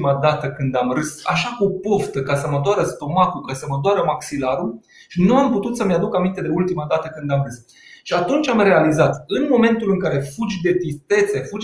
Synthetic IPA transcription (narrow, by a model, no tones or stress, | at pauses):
imad̪at̪əkɨnd̪amrɨsa̰ʃakupo̞ft̪əkasəməd̪oaɾəst̪o̞mak̪ukasəməd̪oaɾəmaksilaɾu | ʃinuamput̪ut̪səmjad̪ukamint̪e̞d̪e̞ult̪imad̪at̪əkɨnd̪amɾɨs | ʃiat̪unt͡ʃʲamre̞alizat̪ɨnmo̞me̞nt̪ulɨŋkaɾe̞fud͡ʒʲd̪e̞t̪ɾist̪e̞t̪se̞fud͡ʒ